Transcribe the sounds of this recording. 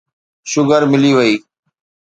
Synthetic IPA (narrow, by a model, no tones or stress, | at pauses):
ʃʊɡəɾmɪliːʋəiː